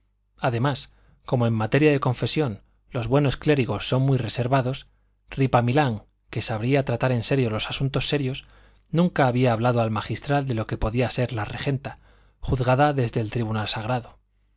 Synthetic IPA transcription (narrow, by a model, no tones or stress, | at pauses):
aðe̞mas | ko̞mo̞emːat̪e̞ɾjaðe̞kõ̞ɱfe̞sjo̞n | lo̞zβwe̞no̞skle̞ɾiɣ̞o̞sːo̞mmwijre̞se̞ɾβaðo̞s | ripamilaŋ | ke̞saβɾiat̪ɾat̪aɾe̞nse̞ɾjo̞lo̞sḁsunt̪o̞sːe̞ɾjo̞s | nũŋkaːβ̞iaːβ̞laðo̞almaxist̪ɾald̪e̞lo̞ke̞po̞ðiase̞ɾlare̞xe̞nt̪a | xuθɣaðaðe̞zðe̞ːlt̪ɾiβ̞unalsaɣ̞ɾaðo̞